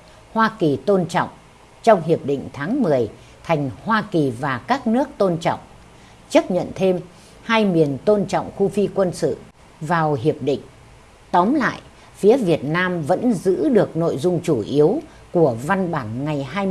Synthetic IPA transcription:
hwaː˧ki˨˩t̪o˧nt͡ɕɔ̰˧˨wŋ͡m | t͡ɕɔ˧wŋ͡mhi˨˩əp̚ɗḭ˧˨ŋ̟t̪ʰaː˨˦ŋmɨ˨˩əj | t̪ʰa˨˩jŋ̟hwaː˧ki˨˩vaː˨˩kaː˦˥k̚nɨ˦˥ək̚t̪o˧nt͡ɕɔ̰˧˨wŋ͡m | t͡ɕə˦˥p̚ɲə̰˧˨nt̪ʰe˧m | haː˧jmi˨˩ənt̪o˧nt͡ɕɔ̰˧˨wŋ͡mxu˧fi˧kwə˧nsɨ̰˧˨ | vaː˨˩whi˨˩əp̚ɗḭ̈˧˨ŋ̟ | t̪ɔ˨˦mla̰ː˧˨jʔ | fi˨˦əvi˨˩ət̚naː˧mvə̰˧˥nzɨ̰˧˥ɗɨ˨˩ək̚no̰˧˨jzʊ˧ŋ͡mt͡ɕu˧˩ʔi˨˦əw | ku˧˩əva˧nɓaː˧˩nŋa˨˩jɦaː˧j

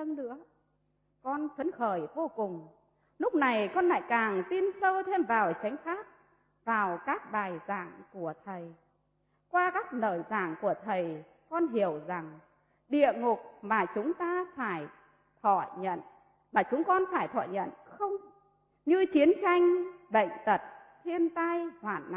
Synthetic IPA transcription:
ə˧ŋnɨ̰˧˥ə | kɔ˧nfʰə˨˦nxəː˧˩jvo˧kʊ˨˩ŋ͡m | lʊ˦˥k͡p̚na˨˩jkɔ˧nla̰ː˧˨jkaː˨˩ŋt̪i˧nsəː˧wt̪ʰe˧mvaː˨˩wt͡ɕa˨˦jŋ̟xaː˦˥t̚ | vaː˨˩wkaː˦˥k̚ɓaː˨˩jza̰ː˧˩ŋku˧˩ət̪ʰə˨˩j | kwaː˧kaː˦˥k̚nəː˧˩za̰ː˧˩ŋku˧˩ət̪ʰə˨˩j | kɔ˧nɦi˧˩əwza˨˩ŋ | ɗḭ˧˨əŋʊ˨˩k̚maː˨˩t͡ɕʊ˨˦ŋ͡mt̪aː˧faː˧˩j | t̪ʰɔ̰˧˩˨jɲə̰˧˨n | maː˨˩t͡ɕʊ˨˦ŋ͡mkɔ˧nfaː˧˩jt̪ʰɔ̰˧˨jɲə̰˧˨nxə˧wŋ͡m | ɲɨ˧t͡ɕi˨˦ənt͡ɕa˧jŋ̟ɓə̰˧˨jŋ̟t̪ə˨˩t̚t̪ʰi˧ənt̪a˧jhwaː˧˩nːa̰˧˨

